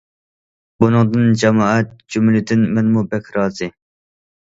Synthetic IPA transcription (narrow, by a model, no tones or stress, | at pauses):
bunɨŋd̪ɨnd͡ʒɛmɑːɛt̪̚d͡ʒumlɪd̪ɪnmɛnmubɛkʲʰɾɑːzɨ